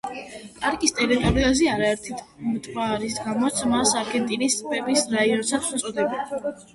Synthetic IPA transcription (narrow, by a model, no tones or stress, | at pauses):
pʼaɾkʼist̪ʼɛɾit̪ʼɔɾiaziaɾaɛɾt̪ʰit̪ʰmt̪ʼɾaɾisɡamɔt̪sʰmasaɾɡɛnt̪ʼinist̪ːʼpʼɛbisɾaiɔnsat̪sʰut̪sʼɔd̪ɛbi